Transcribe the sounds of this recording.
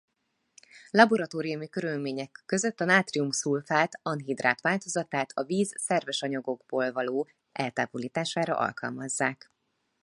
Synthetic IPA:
lɒbo̞ɾɒt̪oːɾiumikøɾylmeːɲɛkːø̞zø̞t̪ːɒnaːt̪riumsuːlfaːt̪ɒnɦid̪ra̰ːt̪ʋaːlt̪o̞zɒt̪aːt̪ʰɒviːzsɛrvɛʃɒɲɒɡo̞ɡboːlvɒloː | ʔɛlt̪a̰ːvoliːt̪aːʃaːɾɒ̰ʔɒ̰lkɒ̰lmɒzːaːk

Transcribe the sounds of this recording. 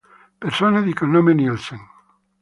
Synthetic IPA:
peɾsoneðikenõmenielseŋ

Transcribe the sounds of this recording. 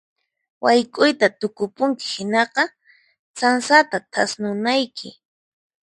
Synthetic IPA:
wajkʼʊjt̪at̪ʊkʊpʊŋkɪ̥hɪnɑqɑ | t͡sansat̪at̪ʰasnʊnajkʰɪ̰

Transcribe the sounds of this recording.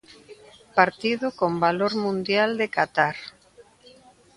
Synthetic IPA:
paɾt̪iðʊkombaloɾmũnd̪jald̪ekat̪aɾ

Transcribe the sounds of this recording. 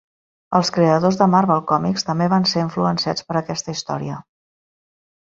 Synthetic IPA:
əlˠskɾeəðozðəmaɾβɛlˠkɔmikst̪əmbeβ̞anseɾiɱfluənsia̰t͡spəɾəkɛst̪əist̪ɔ̰ɾiə

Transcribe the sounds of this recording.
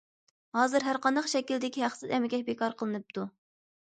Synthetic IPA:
hɑːzɨɾɦæɾqɑnd̪ɑqʃɛkʲild̪ɪkʲiɦæχsɨzɛmɪɡʲɛbekʰɑɾqʰəlˠɨnɨp̚t̪ʰu

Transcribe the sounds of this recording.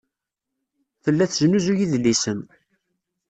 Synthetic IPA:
θəlːæθʒənuzujiðlːisən

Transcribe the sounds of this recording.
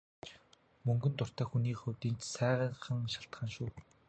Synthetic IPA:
mɵŋɡɵ̆nt̪ʊr̥t̪æːxuniːkχɵwʲt̪iːnt͡ɕsæːʁəχə̆ŋʃaɬt̪χaːnʃuː

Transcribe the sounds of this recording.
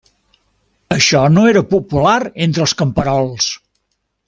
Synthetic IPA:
əʃɔnoeɾəpupulaɾent̪ɾəlˠskəmpəɾɔlˠs

